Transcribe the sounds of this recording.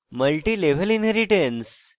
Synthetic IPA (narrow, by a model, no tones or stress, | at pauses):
məlʈileʋ̤əlinɦeɾiʈens